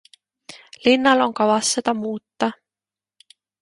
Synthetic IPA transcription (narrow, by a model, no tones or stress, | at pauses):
linːɑlo̞ŋkɑvɑsːet̪ɑmuːt̪ːɑ